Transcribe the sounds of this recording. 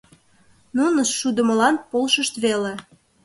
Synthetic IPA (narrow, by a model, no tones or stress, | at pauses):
nunəʃːud̪ə̆mə̆lɑn̚polʃəʃt̪βele